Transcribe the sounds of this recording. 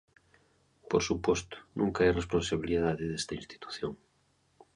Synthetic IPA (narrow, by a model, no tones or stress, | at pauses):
poɾsupwost̪ʊ̥nʔũŋkaajrespõnsaβiliðaðɪðest̪aĩnst̪i̥t̪u̥θjoŋ